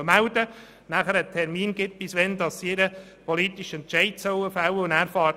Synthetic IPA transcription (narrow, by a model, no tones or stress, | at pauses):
əmæʊdə | næχəɾətʰɛɾmiːnɡɪt̚pisʋɛnd̪ɑsɪɾə | pɔlitiʃɛntt͡ʃɛɪdsœwəfawəʊnæːɾfɑː